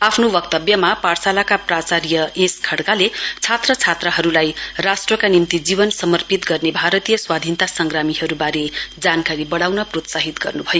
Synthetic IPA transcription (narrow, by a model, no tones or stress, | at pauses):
apʰnobʌk̚t̪ʌbjʌmaparsalakaprat͡saɾjʌeskʰʌɽkalet͡sʰat̪rʌt͡sʰat̪rʌɦʌɾulajrasʈrʌkanimt̪id͡zibʌnsʌmʌrpit̪ɡʌrnebʱaɾʌt̪ijʌswad̪ʱint̪asʌŋɡramiɦʌɾubaɾed͡zankaɾibʌɽawnʌprot̪saɦit̪ɡʌ̰rnubʱʌjo